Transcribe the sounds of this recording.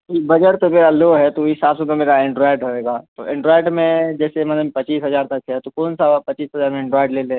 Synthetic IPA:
ibɐd͡ʒəʈt̪omeːɾaloːɦɛt̪oɪsaːbset̪omeːɾaẽɳɖɾɔːɪɖɾɐɦeːɡaːt̪o̰ʔẽɳɖɾoɔːɪɖmẽd͡ʒɛːsemɐləmpɐt͡ʃiːsɦɐzaːɾt̪ɐkɦɛt̪okɔːnsapɐt͡ʃiːsɦɐzaːɾmẽɛ̃ɳɖɾɔːɪɖleːlẽː

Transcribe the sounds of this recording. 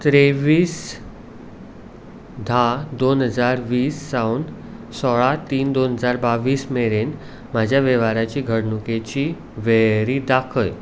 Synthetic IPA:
t̪ɾeʋiːs | d̪ʱad̪onɦəd͡zaɾʋiːsːawn | sɔɭat̪iːnd̪onɦəd͡zaɾbaʋiːsmeɾen | mad͡ʑʱjaʋɛʋaɾat͡ɕiːɡʱəɽnuket͡ɕiː | ʋeɾiːd̪akʰəj

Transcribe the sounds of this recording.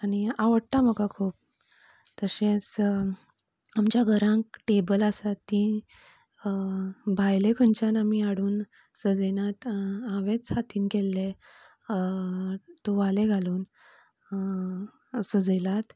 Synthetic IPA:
aniaʋəɽt̪aməkakʰuːp̚ | t̪əɕẽs | amt͡ɕjaɡʱəɾãŋk̚ʈebəlasat̪ːi | bʱajlekʰəɲt͡ɕanamiaɽuːn | səd͡zenat̪aʋet͡sat̪iːnkelːe | t̪oʋaleɡʱaluːn | səd͡zəlat̪

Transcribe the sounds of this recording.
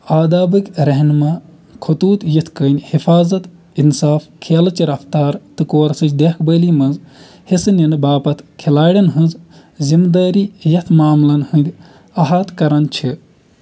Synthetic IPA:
aːd̪aːbɨkʲɾɐɦnʲmɐ | kʰɐt̪uːt̪jit̪ʰkəːnʲhifaːzɐt̪ | insaːfkʰeːlɐt͡ʃiɾɐft̪aːɾt̪ɨkoːɾsɨt͡ʃʰd̪eːkʰbəːlimɐnz | hesɨnʲɐnɨbaːpɐt̪ʰkʰelaːɽʲɐnɦɨ̃nz | zimd̪aːɾiːjɐt̪ʰmaːmlɐnhɨnd̪ʲ | ɐɦɐt̪kɐɾɐnt͡ʃʰi

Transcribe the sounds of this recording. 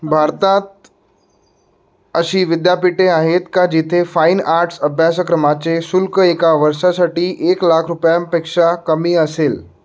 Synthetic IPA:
bʱaɾt̪at̪̚ | əɕiːʋɪd̪japiʈeaɦet̪kad͡ʑit̪ʰefainaɾʈsəbʱjasəkɾəmat͡ɕesʊlkəekaʋəɾʃasaʈiːʔeːklakʰɾupjampekʂakəmiːəseːl

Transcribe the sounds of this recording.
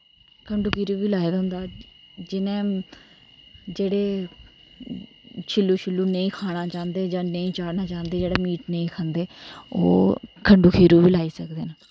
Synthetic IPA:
kʰəɳɖuːkʰiːɾuːʋiːlaːed̪aɦʊ̃nd̪aːd͡ʒɪnẽː | d͡ʒeːɽeː | t͡ʃʰɪlːuːt͡ʃʰɪlːuːnəĩːkʰaːɽaːt͡ʃãːnd̪eːd͡ʒãːnəĩːt͡ʃaːɽnaːt͡ʃaːnd̪eːd͡ʒeːɽaːmiːʈnəĩːkʰãːnd̪eːo̰ːkʰəɳɖuːkʰiːɾuːʋiːlaːiːsəkd̪eːn

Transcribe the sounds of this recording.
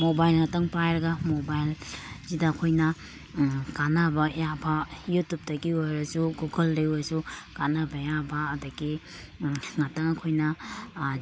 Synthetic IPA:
mobajlŋɐtɐŋpajɾɐɡɐmobajlzidɐːkʰojnɐ | kanabɐjabɐjutup̚tɐɡiojɾɐsuɡuɡɐlɾejoɾɐsukanabɐjabɐːdɐɡi | ŋɐtɐŋɐkʰojnɐ

